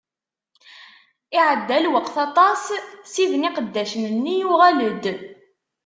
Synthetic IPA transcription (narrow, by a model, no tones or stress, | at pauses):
iʕəd̪ːælwəqθɑt̪ˤɑssiðniqəd̪ːæʃənənːijuʁæləd̪